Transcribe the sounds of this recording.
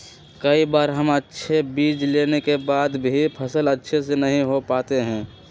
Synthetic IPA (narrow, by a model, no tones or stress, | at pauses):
kəibaːɾɦəmətːʃʰebiːd͡ʒleːnekebaːd̪bʱipʰəsələtːʃʰesenəɦĩɦopaːt̪eɦɛ̃ː